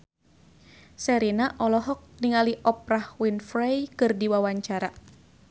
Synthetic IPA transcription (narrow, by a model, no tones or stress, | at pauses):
sɛɾinaʔɔlɔɦɔk̚niŋaliʔɔp̚ɾahwinfɾajkɨrdiwawaɲt͡ʃaɾa